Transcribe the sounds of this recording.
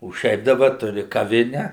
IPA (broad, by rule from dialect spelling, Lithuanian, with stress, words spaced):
oː ˈʃʲɛɪp dɐˈbɐ ˈtʊrʲɪ kɐˈʋʲɪnʲɛ